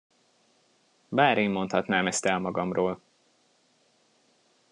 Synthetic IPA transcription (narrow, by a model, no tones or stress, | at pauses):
baːɾʔeːmːo̞nt̪hɒt̪naːmɛst̪ɛlmɒɡɒmroːl